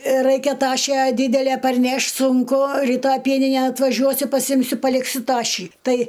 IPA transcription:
ˈrɐɪkʲɛ ˈtɑːʃʲæː ˈdʲiːdʲɛlʲæ pɐrʲˈnʲɛʃʲtʲ sʊŋˈkʊ rʲiːˈtɐj ˈpʲiɛnʲɪnʲɛn ɐtʋɐˈʒʲuɔsʲʊ pɐˈsʲɪmʲsʲʊ pɐˈlʲɪksʲʊ ˈtɑːʃʲiː ˈtɐɪ

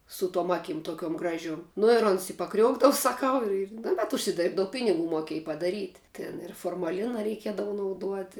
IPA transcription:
sʊ tuɔm ˈɑːkʲɪm toːˈkʲuɔm ˈɡrɑːʒʲuɔm nʊ ɪr ˈoːns ɪ pɐˈkrʲuɔɡdɐʋʊ sɐˈkɐʊ ɪr ɪr nʊ bʲɛt ʊʃʲsʲɪˈdʲeːrbdɐʊ ˈpʲɪnʲɪˌɡuː moːˈkʲiɛj pɐdɐˈrʲiːtʲ ˈtʲɪn ɪr foːrmɐˈlʲɪnɐ rʲɛɪˈkʲiɛdɐʋʊ nɐʊˈduɔtʲɪ

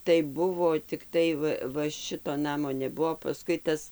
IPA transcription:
tɐɪ ˈbʊʋoː tʲɪkˈtɐɪ ʋɐ ʋɐ ˈʃʲɪtoː ˈnɑːmoː nʲɛˈbʊʋoː pɐˈskʊɪ ˈtɐs

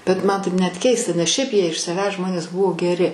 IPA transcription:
bʲɛt ˈmɐn tɐɪp nʲɛt ˈkʲɛɪstɐ nʲɛs ˈʃʲɛɪp ˈjiɛ ɪʃ sɐˈʋʲæːs ˈʒmoːnʲeːs ˈbʊʋoː ɡʲɛˈrʲɪ

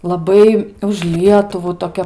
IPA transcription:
lˠɐˈbɐɪ ʊʃ ˈlʲiɛtʊʋuː toːˈkʲɛ

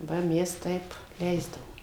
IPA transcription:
ˈʋɐ ˈmʲɛs ˈtɐɪp ˈlʲɛɪzdɐʋoːm

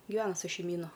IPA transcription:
ɡʲɪˈʋʲæːnɐ sʊ ʃʲɛɪmʲiːˈnʊ

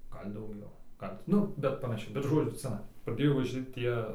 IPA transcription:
ˈɡɐlˠ dɐʊˈɡʲɛʊ ˈɡɐlˠ tʲɪ ˈnʊ bʲɛt pɐnɐˈʃʲɛɪ bʲɛt ˈʒoːd͡zʲʊ ˈt͡sɑːnɐɪ prɐˈdʲeːjoː ʋɐˈʒʲɪ ˈtʲiɛ

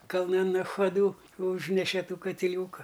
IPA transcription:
kɐlˠˈnɐn nɐxɐˈduː ˈuːʒʲnʲɛʃʲɛ ˈtuː kɐtʲɪˈlʲuːkɐ

